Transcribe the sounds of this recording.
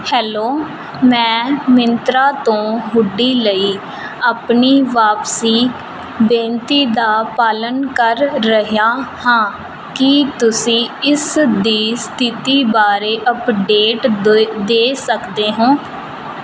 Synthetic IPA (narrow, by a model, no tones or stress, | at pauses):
hɛːloː | mɛ̃ːmɪnt̪ɾaːt̪õːɦʊɖːiːləiː | aːpniːʋaːpsiː | bẽːnt̪iːd̪aːpaːlənkəɾːəɦjaːhãː | kɪt̪ʊsĩːɪsd̪iːst̪ʰɪt̪iːbaːɾeːʔəpɖeːʈd̪eːsəkd̪eːɦõː